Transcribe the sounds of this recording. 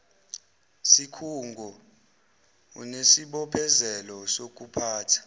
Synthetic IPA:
sikʰuŋɡʱɔ | ṵnesiɓɔpʰɛzɛlɔsok̬ʼupʰaːtʰḁ

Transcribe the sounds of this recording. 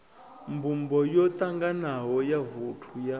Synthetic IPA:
mbʱumbɔjɔt̪ʼaŋɡanaɦɔjavutʰuja

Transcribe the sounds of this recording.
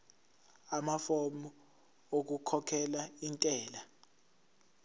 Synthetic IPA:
amafomɔ | ok̬ukʰɔkʰɛlaintʼɛːla

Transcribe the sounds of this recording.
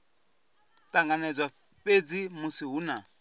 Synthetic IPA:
tʼaŋɡanɛd͡zwa | ɸed͡zimusiɦuna

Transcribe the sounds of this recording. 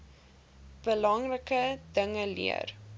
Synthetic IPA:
b̥əlɐŋrəkədəŋəlḭə̰r

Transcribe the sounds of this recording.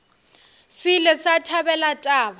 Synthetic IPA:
sɪlɛsatʰabɛlatʼaːba

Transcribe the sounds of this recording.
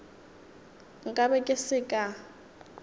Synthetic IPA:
ŋ̩kʼabɛkʼɪsɪkʼa

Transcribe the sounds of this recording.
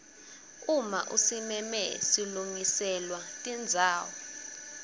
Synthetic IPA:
uma̰ʔṵsimɛmɛ̰siluŋisɛlwatʼind͡zʱaːwɔ

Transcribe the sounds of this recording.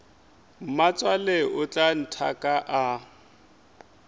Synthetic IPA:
m̩mat͡sʼwaleʔʊt͡ɬʼan̩tʰakʼaʔa

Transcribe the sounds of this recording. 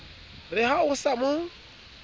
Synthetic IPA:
rɪhaʊsamʊ

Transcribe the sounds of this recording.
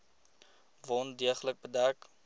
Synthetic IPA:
vɔndiəχələk̚bədæk

